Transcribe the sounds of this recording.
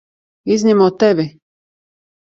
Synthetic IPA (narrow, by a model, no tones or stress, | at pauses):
iznimot̪ebi